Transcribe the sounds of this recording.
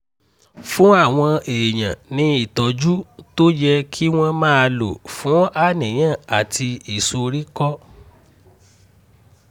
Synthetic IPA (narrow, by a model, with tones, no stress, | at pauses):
fũ˦a˦˨w̃ɔ̃˧eː˨j̃ã̰˨nĩ˧˦i˦˨tɔ˨˦d͡ʒu˦to˦d͡ʒɛ˧kʰi˦w̃ɔ̃˦mãː˦a˧lo̰˨fũ˨˦a˦˨nĩ˨j̃ã˦˨a˨ti˧i˨so˧ɾi˦kɔ˦